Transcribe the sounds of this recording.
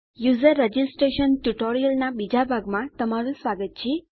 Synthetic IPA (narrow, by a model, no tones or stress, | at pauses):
juzəɾːəd͡ʒisʈɾeʃənʈuʈoɾijəlnabid͡ʒabʱaɡmãt̪əmaɾũsʋaɡət̪̚t͡ʃʰe